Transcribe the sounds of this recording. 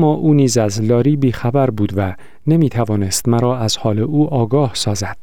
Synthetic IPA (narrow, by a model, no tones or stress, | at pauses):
mːɒːʔuːniːzæzlɒːɾiːbiːxæbæɾbuːd̪væ | nemiːt̪ʰævɒːne̞st̪mæɾɒːæz̥hɒːle̞ʔuːʔɒːɡɒːhsɒːzæd̪̥̚